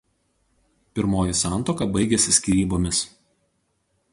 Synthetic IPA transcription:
pʲɪɾmoːjɪsɑˑnˑt̪oːkɐˑbɐɪɡʲɛsʲɪsʲkʲiɾʲiːboːmʲɪs

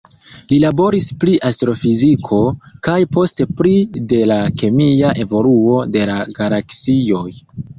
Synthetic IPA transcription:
lilabo̞ɾispliʔastɾo̞fizikʰo̞kajpo̞ste̞pɾide̞lake̞miaʔe̞vo̞luo̞de̞laɡalaksio̞j

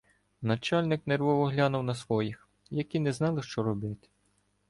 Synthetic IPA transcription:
nɐt͡ʃɑlʲnɪknerʋɔʋɔɦlʲɑnʊwnɐsʋɔjix | jɐkʲinɛznɑlˠɪʃt͡ʃɔɾɔbɪt̪ʲ

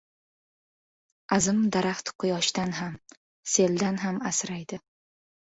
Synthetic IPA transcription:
azɪmd̪aɾaχt̪qʰːʊjɒʃd̪anɦam | se̞ld̪anɦamasɾajd̪ɪ

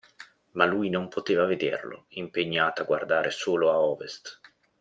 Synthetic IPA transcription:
malujnompʰot̪eːvaved̪ḛrlo̰impeɲːaːt̪aɡward̪aːɾʔesoːloaɔːvest̪

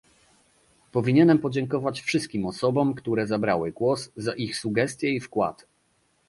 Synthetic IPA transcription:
pɔvʲiɲɛnɛmpɔd͡ʑɛŋkɔvat͡ɕfʂɘst̪kʲimɔsɔbɔmkt̪uɾɛzabɾawɘɡwɔsːaʔixsuɡɛst̪ʲjɛifkwa̰t̪

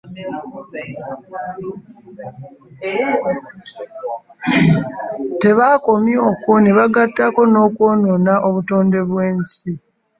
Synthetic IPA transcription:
te̞βaːko̞mjo̞ːkoneβaɡatːako̞no̞ːkwo̞ːno̞naʔo̞βuto̞ːnde̞βwe̞ːnsi

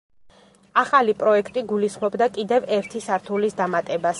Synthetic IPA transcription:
aχalipʼɾɔɛkʰt̪ʼiɡulisχmɔbd̪akʼid̪ɛvɛɾt̪ʰisaɾt̪ʰulisd̪amat̪ʼɛbas

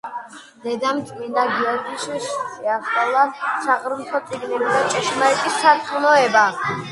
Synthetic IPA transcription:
d̪̥ɛd̪amt͡ʃ̪ʼmind̪aɡiɔɾɡliʃiʃsʰʼiaχalˠaʃaʁɾumt̪ʰɔt̪sʼiɡniliɾat͡ʃʼɛʃʰmaɛk̪ʼissʰat̪sʼχnɔɛba

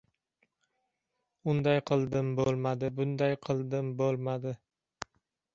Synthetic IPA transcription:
ʊnd̪ajqʰɨlˠd̪ɪmbolˠmad̪ɪbʊnd̪ajqʰɨlˠd̪ɪmbolˠmad̪ɪ

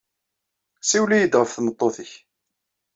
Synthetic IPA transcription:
siwlijəd̪ʁəfθnət̪ˤːoθəç

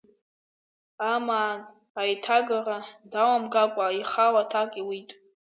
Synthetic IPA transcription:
amaːn | ajtʰaɡaradawamɡakʷʼaiχawatʰakʼiwitʼ

